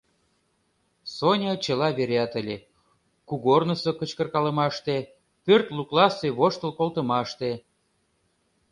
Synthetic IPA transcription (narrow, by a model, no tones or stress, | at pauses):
sonʲɑt͡ɕə̆lɑβeɾʲɑt̪əlʲe | kuɣornəsokət͡ɕkə̆rkɑlə̆mɑʃt̪e | pørt̪luklɑseβoʃt̪əlkolˠt̪əmɑʃt̪e